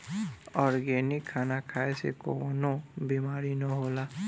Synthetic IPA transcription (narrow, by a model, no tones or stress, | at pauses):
ɔːɾɡɛnikʰːaːnakʰaːesḛkonobimaːɾinɔɦoːla